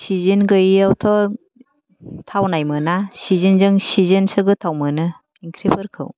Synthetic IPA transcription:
sizɯnɡɯjawtʰɔ | tʰawnajmɯnasizɯnzɯŋsizɯnsɯɡɯtʰawmɯnɯ | pʰiŋkʰɾebʰɯɾkʰɯ̰w

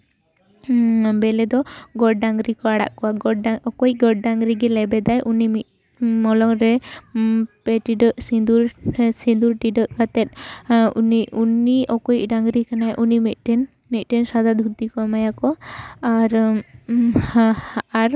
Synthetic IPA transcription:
bɛlɛd̪ɔɡɔɖɖaŋɡɾikɔaɽa̰ʔkɔwaɡɔaɔkɔj̚ɡɔɖ̚ɖaŋɾiɡɛlɛbɛd̪ajʔunimit̪̚ | mɔlɔŋɾɛ | pɛʈiɖɔsid̪uɾsind̪uɾʈiɖɔʔkat̪ɛt̪̚ṵniuniɔkɔj̚ɖaŋɡɾikanajʔunimit̪̚ʈɛn | mit̪̚ˀʈɛnsad̪ad̪ʱut̪ikɔmajakɔaɾ | aɾ

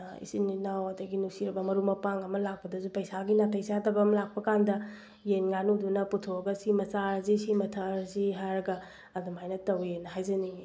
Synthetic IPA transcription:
ḭsinːinawɐdɐɡinusiɾɐbɐmɐɾumɐpaŋɐmɐlak̚pɐdɐzupɐjsaɡinatʰɐjsadɐbɐmɐlak̚pɐkandɐ | jenŋanudunɐputʰoɡɐsimɐsaɾzisimɐtʰɐɾziɦaɾɐɡɐː | dumajnɐtɐwjenɐɦajzɐniŋi

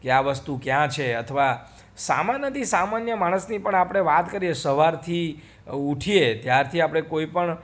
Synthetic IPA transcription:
keaʋəst̪ukjãt͡ʃʰeət̪ʰəʋa | sa̰manjət̪ʰisamanjəmaɽ̃əsnipəɳapɽ̃eʋat̪kəɾiesəʋaɾt̪ʰi | uʈʰiet̪jaɾt̪ʰiapɽ̃ekoipəɳ

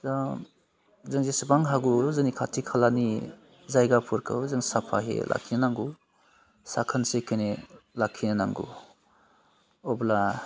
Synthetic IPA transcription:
za | zɯŋzesɯbaŋɦaɡuzɯnikʰatʰikʰalani | zajɡapʰuɾkʰɯ̰wzɯŋsapʰaɦḛlʔa̰kʰinanaŋɡu | sakʰənsekʰenelakʰinanaŋɡṵ | ɔbla

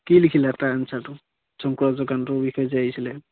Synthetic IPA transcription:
kilikʰilɛataansatʊ | sɔŋkuɹazɔkantʊbixɔjɔzajaisilɛ

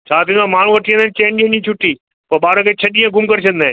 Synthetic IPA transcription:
t͡ɕʰaːt̪ĩãmaːɳ̤ũʋɐʈʰijə̃nd̪aːɪnɪt͡ɕẽːnɗiə̃nĩt͡ɕʰʊʈiː | pɐɾɓaːɾəkʰeːt͡ɕʰɐɗiːə̃ɡʊmkɐɾɪt͡ɕʰɐ̃nd̪aːɪn

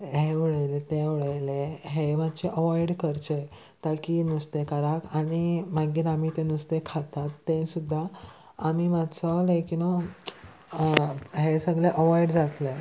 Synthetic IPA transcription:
ɦeʋəɭəjlet̪ẽʋəɭəleɦemat̪ːt͡ɕeʔəʋɔiɽkəɾt͡ɕe | t̪akinust̪ekaɾakaɽ̃imaɡiːɾamit̪enust̪ekʰat̪at̪ːẽsud̪ʱːaː | mimat͡sɔlekino | ɦesəɡleʔəʋɔiɽd͡zat̪le

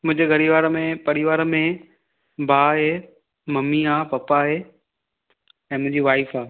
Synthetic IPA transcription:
mʊ̃ɦɪ̃ɲd͡ʑeɡʱɐɽiʋaːɾmẽpɐɽiʋaːɾmẽ | bʱaːɦe | mɐmiaːpɐpaɦeː | ɛ̃ːmʊ̃ɦɪ̃ɲd͡ʑiʋaːɪfaː

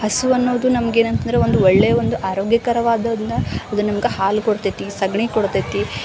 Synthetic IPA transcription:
hɐsuɐnːoːd̪unɐmɐɡeːnɐnt̪ɐnd̪ɾeʋo̞nd̪uɔɭːeːjɐʋond̪uʔaːɾoːɡjɐkɐɾɐʋaːd̪ɐd̪ind̪ɐɐd̪unɐmɡehaːlkoɽt̪ɐt̪isɐɡɳikoɽt̪ɐt̪i

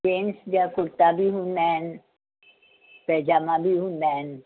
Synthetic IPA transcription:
ensd͡ʒakoɾt̪abiɦunːɛn | pɛd͡ʒamabiɦunːɛn

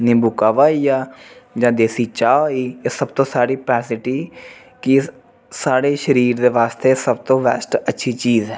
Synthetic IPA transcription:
nĩːbʊkaːʋaːiːaːd͡ʒãːd̪eːsiːt͡ʃaːoiːeːsəbt̪õːsaːɽiːpɛːsɪʈiː | kɪ | saːɽeːʃəɾiːɾd̪eːʋaːst̪eːsəb̚t̪õːʋɛːsʈətːʃʰiːt͡ʃiːzɛː

